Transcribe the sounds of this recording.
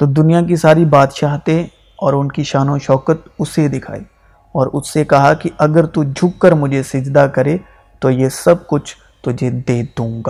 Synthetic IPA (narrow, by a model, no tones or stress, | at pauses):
t̪oːd̪ʊnijak̬isaːɾibaːt̪ʃaːɦt̪ẽ | ɔːɾʊnkiʃaːnõʃɔːkət̪̚ʊsed̪ɪkʰa̰ːiː | ɔːɾʊsːekɐɦakiʔɐɡəɾt̪ud͡ʒʱʊkːəɾmʊd͡ʒʱesɪd͡ʒd̪akɐɾe | t̪ojesɐb̚kʊt͡ʃʰ | t̪ʊd͡ʒʱed̪eːd̪ũːŋɡaː